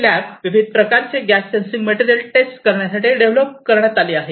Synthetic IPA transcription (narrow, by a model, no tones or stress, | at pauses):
læpʋiʋid̪̚ʱpɾəkaɾt͡seɡæssensiŋɡmeʈiɾijəlʈesʈkəɾɳjasaʈiːɖeʋləp̚kəɾɳjat̪aleːaɦe